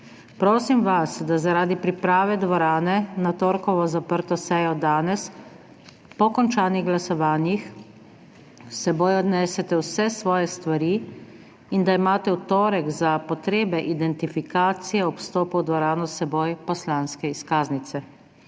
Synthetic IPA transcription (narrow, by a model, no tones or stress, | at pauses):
pɾoːsimʋasd̪azaɾaːd̪ipɾipɾaːʋɛd̪ʋɔɾaːnɛnat̪oːɾkɔʋɔzapəɾt̪ɔsɛjɔd̪aːnɛs | pɔkɔnt͡ʃaːniɣɡlasɔʋaːnjix | sɛboːjɔd̪nɛːsɛt̪ɛwsɛsʋɔːjɛst̪ʋaɾiː | ind̪aimaːt̪ɛwt̪oːɾɛɡzapɔt̪ɾeːbɛʔid̪ɛnt̪ifikaːt̪sijɛɔpst̪oːpuwd̪ʋɔɾaːnɔsɛboːjpɔslaːnskɛiskaːznit̪sɛ